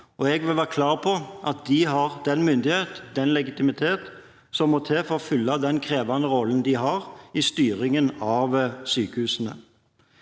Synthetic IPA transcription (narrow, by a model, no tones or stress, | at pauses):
ɔɛɡʋɪlʋæːʁəkʰlɑːʁpʰɔʔɑt̪̚d̪ɪɦɑʁd̪ɛnmʏnd̪ɪheːt̪d̪ɛnlɛɡɪt̪ɪmɪt̪ʰeːt̪ | sɔmːɔt̪ʰeːfɔfʏlːɑd̪ɛnkʰɾeːʋɑnəɾɔlːən̩d̪ɪɦɑʁɪst̪yːɾɪŋənɑʋsyːkəhʉːsnə̰